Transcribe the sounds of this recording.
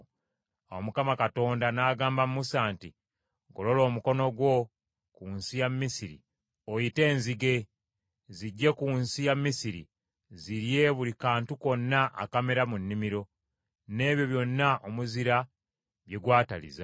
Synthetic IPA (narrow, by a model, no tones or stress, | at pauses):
omukamakato̞ːndanaːɡaːmbamumusaːnti | ɡolo̞lo̞ːmuko̞no̞ɡwo̞ | kunsijamːisiɾḭ | ojite̞ːnziɡe̞ | ziɟːe̞kuːnsijamːisiɾḭ | ziɾje̞βulikaːntuko̞nːaʔa̰kame̞ɾamunːimiɾo̞ | ne̞ːβjo̞βjo̞nːaʔomuziɾa | βje̞ɡwaːtalḭza